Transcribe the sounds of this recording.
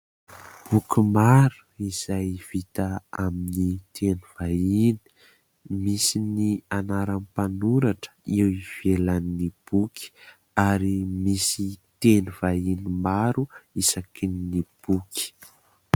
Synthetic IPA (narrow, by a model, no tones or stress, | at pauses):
b̥ukumaɾu̥iz̥ajv̥it̪aaminit̪ʰenuvaini̥ | misinianaɾanpanuɾaʈ͡ʂə̥iwiv̥elanːib̥ukʰi̥ | aɾimisit̪enuv̥ainimaɾuisakinnib̥uki̥